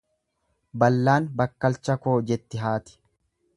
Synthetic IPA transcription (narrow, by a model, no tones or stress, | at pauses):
bɐlːaːnbɐkːɐlt͡ʃːɐko̞ːd͡ʒɛt̪ːɪɦaːt̪ɪ̥